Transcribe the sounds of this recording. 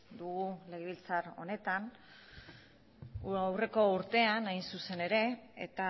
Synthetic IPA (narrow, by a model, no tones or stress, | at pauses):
d̪uɣule̞ɣeβilt͡saɾo̞̰ne̞t̪an | awre̞ko̞uɾt̪e̞anajnsuse̞ne̞ɾe̞ḛt̪a